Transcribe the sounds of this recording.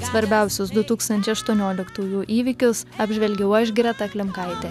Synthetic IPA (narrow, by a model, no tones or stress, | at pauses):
sʋɐɾʲbʲɛˑʊsʲʊsd̪ʊt̪uːkst̪ɐnʲt͡ʃʲɛɪɐʃt̪uɔnʲoːlʲɪkt̪uːjuːʔiːʋʲɪkʲʊsɐːbʲʒʲʋʲɛlʲɡʲɛʊɐʒɡʲɾʲɛt̪ɐklʲɪmkɐɪt̪ʲɛ